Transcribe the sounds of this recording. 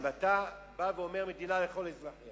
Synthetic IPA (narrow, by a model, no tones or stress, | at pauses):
at̪a | baveo̞meʁmed̪inale̞χo̞lezʁa